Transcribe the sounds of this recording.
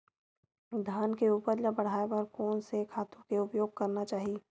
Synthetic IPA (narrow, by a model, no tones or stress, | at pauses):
d̪ʱaːnkeuːpəɾlabəɽ̤aːepəɾkɔːnsekʰaːt̪ũkeʊpjoːɡ̚kɐɾnat͡ʃaːɦii